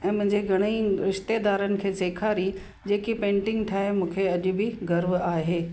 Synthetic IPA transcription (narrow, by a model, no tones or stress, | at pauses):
ɛ̃ːmʊ̃ɦɪ̃ɲd͡ʑeɡʱɐɽ̃iiɾɪʃt̪ed̪aːɾənɪ̆kʰeːseːkʰaːɾi | d͡ʑeːkipẽːɳʈɪ̃ŋɡʈʰaːɦemũːkʰeɐʄʊ̆bɪɡɐɾʋaːɦeː